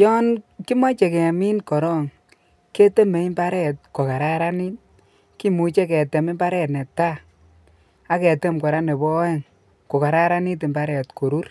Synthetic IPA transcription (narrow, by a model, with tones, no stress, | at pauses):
jɔ˦nki˦mɔ˦t͡ʃe˨kɛ˨mi˦nkɔ˨ɾɔ˦ŋ | ke˦te˦me˨˦i˦mba˦ɾɛ˦t̚ko˨ka˨ɾa˦ɾa˦ni˦t̚ | ki˦mu˨t͡ʃe˦kɛ˨te˨mi˦mba˦ɾɛ˦tnɛ˨ta˦ | a˦kɛ˨te˦mkɔ˨ɾa˦ne˨bɔ˦ɛ˦ŋ | ko˨ka˨ɾa˦ɾa˦ni˦t̬i˨mba˦ɾɛ˨tko˨ɾu˦r